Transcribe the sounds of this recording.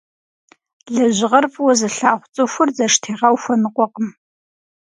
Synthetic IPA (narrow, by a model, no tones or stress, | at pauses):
ɮɐʑɪʁɐrfʼwɔzɨɬaːχʷt͡sʼɨxʷʊrd͡zɐʂtʰeːʁɐwfʷɐnɨqʷʼɔqʼəm